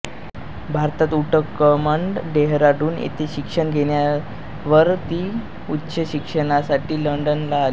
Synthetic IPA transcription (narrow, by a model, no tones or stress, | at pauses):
bʱaɾt̪at̪uʈəkːəmaɳɖɖeɦɾaɽuːnḛt̪eɕikʂəɳɡʱeɳja | ʋəɾt̪iː | utːɕəɕikʂəɽ̃asaʈiːləɳɖənlaːl